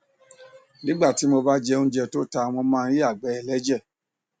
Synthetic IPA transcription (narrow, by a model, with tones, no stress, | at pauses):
nĩ˦ɡ͡ba˦˨ti˨˦mo˧ba˦d͡ʒɛ˧ũ˧d͡ʒɛ˧to˦ta˧˨w̃ɔ̃˧mãː˦ɾi˦a˦˨ɡ͡bɛ˨˦ɛ˨lɛ˨˦d͡ʒɛ˦˨